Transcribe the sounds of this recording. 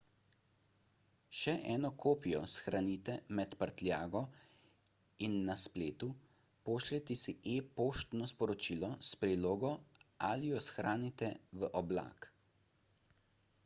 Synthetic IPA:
ʃɛʔɛːnɔkʰoːpijɔsxɾaniːt̪ɛmɛt̪pəɾt̪lʲjaːɡɔ | inːaspleːt̪u | poːʃlɛt̪ɛsiʔepoːʃt̪nɔspɔɾɔt͡ʃiːlɔspɾiloːɡɔa̰lijɔsxɾaːnit̪ɛʋəʔɔbla̰ːk

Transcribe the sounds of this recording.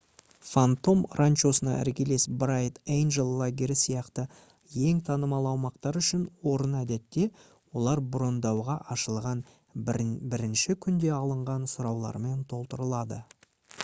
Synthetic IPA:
fant̪o̞mrʔant͡ʃo̞sənɑ̰ʔæ̰ɾkʲe̞le̞sbrajt̪ejnʒelˠːaɡʲeɾɪsijɑqt̪ə | je̞ŋt̪ʰɑnəmɑlˠəɑwmɑqt̪ɑɾʏʃɪnwo̞ɾənæd̪e̞t̪ːe̞ | wo̞lˠɑɾbɾo̞nd̪ɑwʁɑʔɑʃəlˠʁɑn | bɪɾɪnʃɪkʲʰʏnd̪e̞ɑlˠəɴʁɑnsʊɾɑwlˠɑ̰ɾme̞nt̪ʰo̞lˠt̪əɾəlˠɑd̪ə

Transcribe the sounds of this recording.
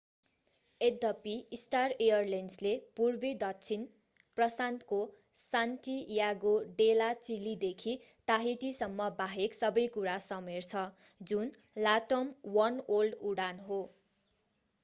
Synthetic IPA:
ed̪ʌpiisʈarejʌrlenslepurbid̪ʌt͡sʰin | prʌsant̪ko | sant̪ijaɡoɖelat͡silid̪ekʰi | t̪aɦiʈ̪isʌmːʌbaɦeksʌbʌjkuɾasʌmert͡sʰʌ | d͡zun | laʈomwʌnolɖuɽanɦo

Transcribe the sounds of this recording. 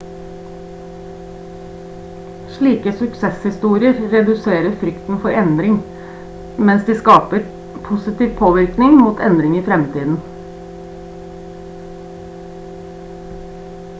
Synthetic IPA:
ʂɭiːkəsʉksɛshɪst̪uːɾɪəɾɾɛd̪ʉseːɾəfɾʏkt̪n̩fɔɾɛnd̪ɾɪŋ | mɛnsd̪iːskɑːpəɾ | pʰʊsɪt̪iːʋpʰoːʋɪɾknɪŋmuːt̪ʰɛnd̪ɾɪŋiːfɾɛmt̪ʰiːd̪n̩

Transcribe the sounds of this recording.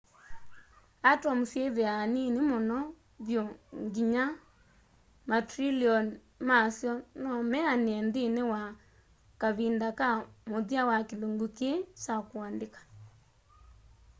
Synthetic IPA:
atɔmusjeðeaninemɔnɔ | βjoŋɡiɲa | matɾiliɔn | masjɔnɔmɛaneɛndenewa | kaβindakamoðiawakeloŋɡukesakwandekḁ

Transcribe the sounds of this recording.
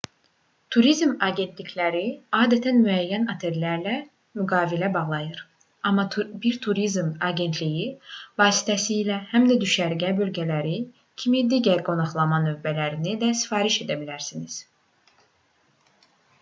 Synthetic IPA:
t̪ʰuɾizmɑɟe̞nt̪ʰlicʰlæɾiɑːd̪æt̪ʰænmyæjːænɑt̪ʰe̞ɾlæɾlæ | myɡɑːvilæbɑɣlˠɑjɯɾ | ɑmːɑbiɾt̪ʰuɾizmɑɟe̞nt̪ʰlijivɑːsi̥t̪ʰæsiːlæhæmd̪æd̪yʃæɾɟæbø̞lɟælæɾi | cʰimid̪iɟæɾɡo̞nɑχlˠɑmɑnø̞vbælæɾinid̪æsi̥fɑːɾiʃe̞d̪æbilæɾsiniz̥

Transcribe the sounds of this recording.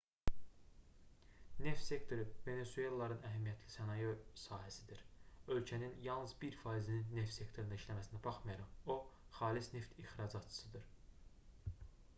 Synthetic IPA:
ne̞ft̪se̞kt̪ʰo̞ɾɯve̞ne̞sue̞lˠːɑɾɯnæɦæmijæt̪ʰlisænɑjesɑːhæsid̪iɾø̞lcʰæninjɑlˠnɯzbiɾfɑːizininːe̞ft̪se̞kt̪ʰo̞ɾind̪ɑiʃlæmæsinæbɑχmɑjɑɾɑmoχɑːlisne̞ft̪ixɾɑd͡ʒɑt̪t͡ʃʰɯ̥sɯd̪ɯɾ

